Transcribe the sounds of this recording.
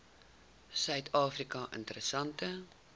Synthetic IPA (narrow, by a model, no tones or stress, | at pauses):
sœɥtʰɑːfrikɐʔə̰ntəɾəsɐntə